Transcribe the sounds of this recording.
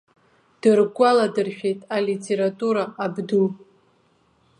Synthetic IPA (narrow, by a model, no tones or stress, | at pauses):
d̥ɨrɡʷaladɨrʃᶣe̞jtʼalitʼʰeɾatʼuɾaːbdu